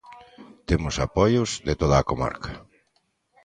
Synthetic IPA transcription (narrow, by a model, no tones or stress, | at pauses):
t̪emʊsapɔjʊzðet̪oðaːkoma̰ɾkʰɐ̥